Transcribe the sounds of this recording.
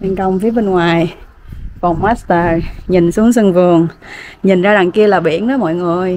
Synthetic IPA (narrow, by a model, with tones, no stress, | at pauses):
ɓa˧nkə˧wŋ͡mfi˨˦ɓe˧nŋwaː˨˩j | kɔ˨˩nmaː˦˥st̪əː˧˩ɲi˨˩nsu˨˦əŋsɨ˧ŋvɨ˨˩əŋɲi˨˩nzaː˧za˨˩ŋki˧əlaː˨˩ɓḭ˧˩ənɗɔ˨˦mɔ̰˧˨jŋɨ˨˩əj